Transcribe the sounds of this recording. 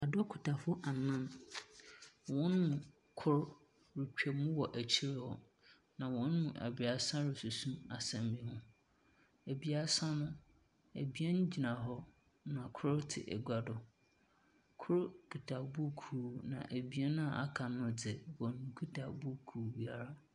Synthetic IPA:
a˨dɔ˦kʰʊ˨tʰa˨fʊ˦ʔa˨nã˦n | wɔ̃˦nmʊ̃˨ | kʰʊ˦ɾ | ɾi˨kᶣe˨mũ˦wɔ˨ʔæ˨t͡ɕʰi˦ɾɪ˦hɔ˦ | nã˨wɔ̃˦nmʊ̃˨ʔæ̰˨bi˨a˨sã˦ɾɪ˨su˨sũ˦ma̰˨sɛ̃˨mbi˦hʊ̃˦ | æ˨bi˨a˨sã˦nʊ̃˦ | æ˨bi˦ɛ˦n˦d͡ʑi˨nã˨ɦɔ˦ | nã˨kʰʊ˦ɾtʰɪ̰˨ʔɛ̰˨ɡʷa˨dɔ˨ | kʰʊ˦ɾkʰu˨tʰa˨bu˦kʰu˨nã̰˨ʔæ˨bi˨˦ɛ˦nã˦a˨a̰˦kʰa˨nʊ̃˨d͡zɪ˨wɔ˨nũ˨kʰu˦tʰa˨bu˦kʰu˨ɾbi˨a˨ɾa˦

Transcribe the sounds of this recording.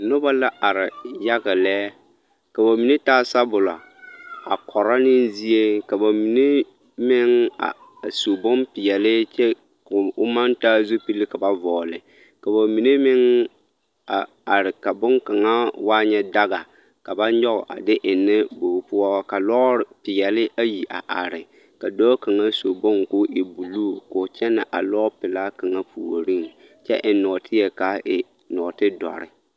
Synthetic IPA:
nʊ˦ba˦la˦ʔa˨ɾɪ˨ja˦ɡɪ˨lɛː˦ | ka˨ba˨mi˨ne˦taː˦sa˦bʊ˨la̰˨ | a̰˨kʰɔ˨ɾa˦nɪ˦n˦zi˦e˦ka˨ba˨mi˨ne˦ | mɪ˦ŋa̰˨ | su˨bʊ˦mpɪ˨jɛ˨lɪ˦t͡ʃɛ˦ | kʊ˨ʊ˦ma˦ntaː˦zu˦pi˦lɪ˦ka˨ba˨vɔː˨lɪ˨ | ka˨ba˨mi˨ne˦mɪ˦ŋ | a˨ | a˨ɾɪ˨ka˨bʊ˦ŋka˨ŋa˦waː˦ɲɛ˦da˦ɣa˨ | ka˨ba˦ɲɔ˦ɣʊ̰˨ʔa̰˨dɪ˦ʔɪ˨nːɪ˦bo˨˦pʊ˦a˦ka˨lɔ˦˨pɪ˨jɛ˨lɪ˦ʔa˦ji˨ʔa̰˨ʔa˨ɾɪ˨ | ka˨dɔː˦ka˨ŋa˦so˨bʊ˦ŋkʊ˦ʔɪ˨bu˨luː˦˨kʊ˨t͡ʃɛ˦nɪ˨ʔa˨lɔ˦pɪ˨la˦ka˨ŋa˦pʰu˨o˨ɾi˦ŋ | t͡ʃɛ̰˦ʔɪ˨nɔ˨tʰɪ˦jɛ˨ka˨ɪ˨ | nɔ˨tɪ˦dɔ̰˨ɾɪ̰˦

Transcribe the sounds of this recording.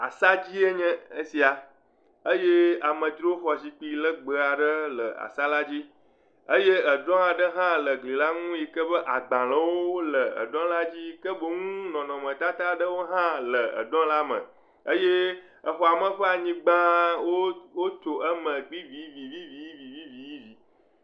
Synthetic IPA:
a̰˨sa˦d͡ʑi˦e˦ɲɛ̃˦ə˦si˨a˨ | ə˦je˦a˨mə̃˨t̪ɾo˦ɸɔ˨si˨k͡pi˨lə˦ɡ͡bə˨a˨ɖə˦lə˨a̰˨sa˦la˦d͡ʑi˦ | ə˦je˦ə˨ɖɔ̃˦a˨ɖə˦ɦã˦lə˨ɡli˨la˦ŋũ˦ji˨kə˦bə˦ʔa˨ɡ͡bã˨lə˦wo˦o˦lə˨ə̰˨ɖɔ̃˦la˦d͡ʑi˦kə˦bo˨ŋũ˦nɔ̃˨nɔ̃˨mə̃˨t̪a˦t̪a˦ɖə˦wo˦ɦã˦lə˨ə̰˨ɖ̪ɔ̃˦la˦mə̰̃˨ | ə˦je˦ | ə˨ɸɔ˨a˨mə˨ɸə˦a˨ɲĩ˦ɡ͡bã˦wo˦wo˦t̪o˨ʔə˦mə̃˨ɡ͡bi˦vi˨˦vi˨vi˦vi˨ji˦vi˨vi˦vi˨ji˦vi˨

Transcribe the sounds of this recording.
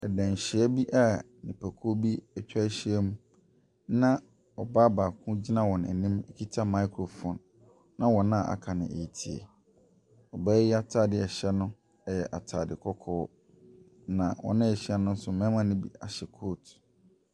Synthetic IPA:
ɛ˨dã˨ɲ˨ɕɪ˨ɛ˦bi˦ʔa˦ | nĩ˨pʰæ˨kʰo˦bi˦ɛ˨t͡ɕᶣa˦ɕi˦ɛ˦mũ˦ | nã˦ | ɔ˨baː˦ba˨kʰʊ̃˦d͡ʑi˦nã˦wɔ̃˨n˨ɛ̰˨nĩ˦me˨kʰi˦tʰa˦ma˦ɪ˦kʰɾo˨fɔ̃˨nː | ã˦wɔ̃˨nã˦˨ʔa̰˨kʰa˨nɪ̰̃˨ḛ˨i˨tʰi˨ḛ˨ | ɔ˨ba˦jɛ˦a˦tʰaː˦˨dɪ˦˨ɛ˨ɕɛ˦nʊ̃˦ | ɛ˨jɛ˨ʔa˨tʰa˨dɪ˨kʰɔ˦kʰɔː˦ | nã̰˨wɔ̰̃˨nɪ̃˦ɛ˨ɕi˦a˦nʊ̃˦n̩˦sʊ˨mɛ̃˦mã˦nɪ̃˦bḭ˨a˨ɕɛ˨kʰoː˦˨t

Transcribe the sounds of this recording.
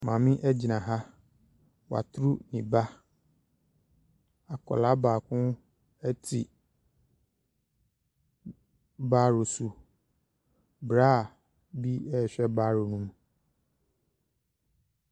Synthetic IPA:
mã˨mĩ˦ʔɛ˦d͡ʑi˨nã˨ɦa˦ | wa̰˨tʰɾu˦nĩ˨ba˦ | a˨kʰɔ̰˨la˦baː˨kʰʊ̃˦ | ɛ˦tʰḭ˨ | baː˦ɾo˨su˨ | bɾa˦˨ | bi˦ɛ˦˨ɕᶣɛ˦baː˦ɾo˨nũ˦m

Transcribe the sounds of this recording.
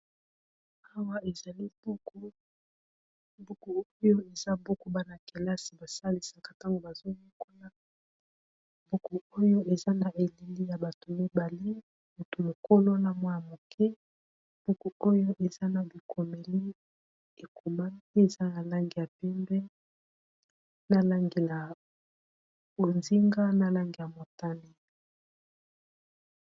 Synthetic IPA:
a˦wa˦e˨za˨li˦bu˦ku˦ | bu˦ku˨o˦jo˦e˨za˦bo˦ko˦ba˦na˨ke˨la˦si˨ba˨sa˦li˨sa˨ka˨ta˦ŋɡo˨ba˨zo˦jo˦ko˦la˦ | bu˦ku˨o˦jo˦ʔe˨za˦na˨ʔe˨le˨li˦ja˨ba˨to˨mi˦ba˨li˦ | mo˨to˨mo˨ko˦lo˦na˨mwa˦ja˨mo˨kʰɛ˦ | b̥u˦ku˨o˦jo˦ʔe˨za˦na˨bi˨kʰo˨me˨li˦ | e˨kʰu˨ma˦ni˦e˨za˦na˨la˦ŋɡi˨ja˨pɛ˦mbɛ˦ | na˦la˦ŋɡe˨la˨ | bo˨nzi˦ŋɡa˦na˨la˦ŋɡi˨ja˨mo˨ta˦ne˦

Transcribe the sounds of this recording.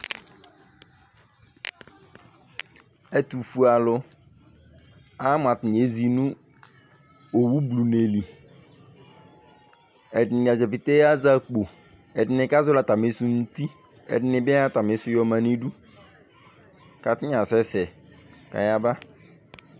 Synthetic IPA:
ɛ˦tu˨fu˨a˨lʊ˨ | a˦m˨a˨tɪ˨e˨˦zi˨nũ˦ | o˨wu˦blu˨ne˨li˨ | ɛ˨dɪ˨nɪ̃˨a˨d͡ʒɛ˨pɪ˨te˦a˦za˦k͡po˨ | ɛ˨dɪ˨nɪ˨ka˦zʊ˦la˨ta˨mɪ˨˦su˦n̩˦ti˦ | ɛ̰˨dɪ˦nɪ̃˨ba˦ta˨mɪ˨˦sʊ˦jɔ˦mã˨ni˦du˦ | ka˨tɪ̃˦ɲ˦ã˨sɛ˦sɛ˨ka̰˨ja˦ba˦

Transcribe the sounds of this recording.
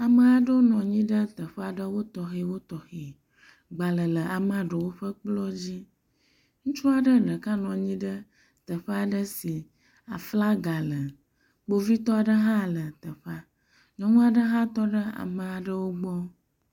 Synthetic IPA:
a˨mə̃˨a˨ɖə˦wo˦nɔ̃˨ɲĩ˦ɖə˦t̪ə˨ɸə˦a˨ɖə˦wo˦t̪ɔ˨xe˨wo˦t̪ɔ˨xe˨ | ɡ͡ba˨lə˨lə˨a˨m˦a˨ɖə˨wo˦ɸə˦k͡plɔ˦d͡ʑi˦ | ŋũ˦t͡ʃu˦a˨ɖə˦nə̃˨ka˦nɔ̃˨ɲĩ˦ɖə˦ | t̪ə˨ɸə˦a˨ɖə˦si˨ | a̰˨fla˦ɡa˨lə˨ | bo˦vi˦t̪ɔ˦a˨ɖə˦ɦã˦lə˨t̪ə˨ɸa˦ | ɲɔ̃˨mə̃˦a˨ɖə˦ɦã˦t̪ɔ˦ɖə˦a̰˨mə˨a˨ɖə˦wo˦ɡ͡bɔ˦

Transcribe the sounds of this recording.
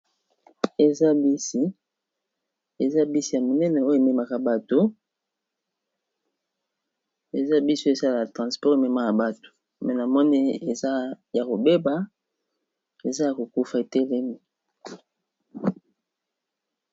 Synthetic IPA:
e˨za˦bi˦si˦ | e˨za˦bi˦si˦ja˨mo˨nɛ˦nɛ˨o˦jo˦e˨me˦ma˨ka˨ba˨to˦ | e˨za˦bi˦so˦e˨za˦la˨a˨tʁɑ̃˨spɔ˦ʁmɛ˨ma˦ja˨ba˨to̥˨ | mɛ˨na˨mɔ˦ni˦e˨za˦ | ja˨ko˨be˦ba˦ | e˨za˦ja˨ko˨ku˦fa˨e˨te˦le˦mi˨

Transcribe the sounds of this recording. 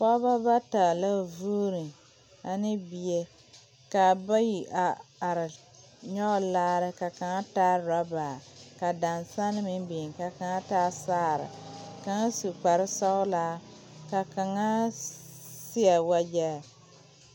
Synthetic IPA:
kɔ˦ba˦ba˦ta˨la˦vuː˦ɾɨ˨ | a˨nɪ˦bi˨e˦ | ka˨ba˦ji˨ʔa˨a˨ɾɪ˨ | ɲɔ˦˨laː˦ɾɪ˦ka˨ka˨ŋa˦taː˦ɾa˦baː˨ka˨da˨nsa˦nɨ˦mɪ˦m˦bɪ˨ŋ˨ka˨ka˨ŋa˦taː˦saː˦˨ɾɪ̰˨ka˨ŋa˦su˨k͡pa˨ɾɪ˦sa˦ʊ˦laː˦ka˨ka˨ŋa˦ | sɪ˦a˨wa˦d͡ʒa˦˨

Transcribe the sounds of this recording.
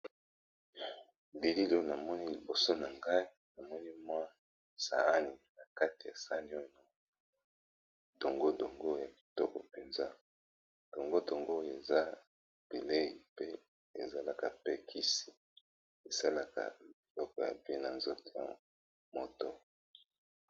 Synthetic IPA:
bi˨li˦li˨o˦na˨mɔ˦ni˦li˨bo˨so˦na˨ŋɡa˦i˦na˨mɔ˦ni˦mwa˦ | sa̰˨a˦ni˨na˨ka˦ti˨ja˨sa˦n˦o˦˨no˦ | do˨ŋɡo˦do˨ŋɡo˦ja˨bi˨to˦kɔ˨pe˨nza˦ | d̥o˨ŋɡo˦do˨ŋɡo˦˨e˨za˦ | b̥i˨le˦i˨pe˦ | ḛ˨za˦la˨ka˨pe˦kʰi˦si̥˨ | e˨sa˦la˨ka̰˨i˨lɔ˦kɔ˨ja̰˨bi˨e˦na˨nzo˦to˨ja̰˨ | mo˨to˦

